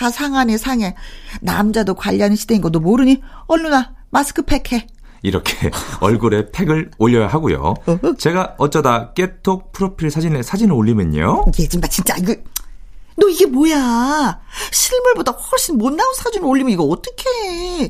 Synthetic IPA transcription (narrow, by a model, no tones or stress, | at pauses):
kasʰaŋanesʰaŋe̞na̰md͡ʑadokwaʎːʌnnɕʰide̞inɡʌnomoɾɯɲiʌɭːunamasʰɯ̥kʰɯpʰe̞kʰe̞ | iɾʌkʰeʌɭɡuɾe̞pʰe̞ɡɯɭoʎːʌjaɦaɡojo̰t͡ɕe̞ɡaʌt͡ɕ͈ʌdak͈e̞tʰopʰɯɾopʰiɭsʰad͡ʑinesʰad͡ʑinɯɭoʎːimɯɲo̰jet͡ɕint͡ɕat͡ɕint͡ɕ͈aiɡɯ | nʌiɡe̞moja | ɕʰiɭmuɭbodawʌɭɕ͈ʰinmonːaunsʰad͡ʑinɯɭoʎːimɯniɡʌʌt͈ʌkʰe̞